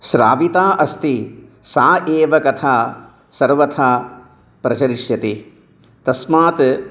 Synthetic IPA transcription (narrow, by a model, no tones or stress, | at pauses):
ʃɾa̰ːʋit̪aːʔɐst̪i | saːʔeːʋɐkɐt̪ʰaː | sɐɾʋɐt̪ʰaː | pɾɐt͡ʃɐɾiʂjɐt̪i | t̪ɐsmaːt̪